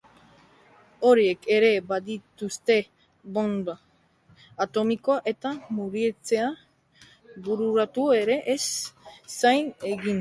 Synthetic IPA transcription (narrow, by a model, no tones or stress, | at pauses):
o̞ɾie̞ke̞ɾe̞baðit̪ust̪e̞ | βo̞nbaː | t̪o̞miko̞aʔe̞t̪amuɾiet͡se̞a | buɾuɾat̪ue̞ɾe̞ʔesː | ajne̞ɣin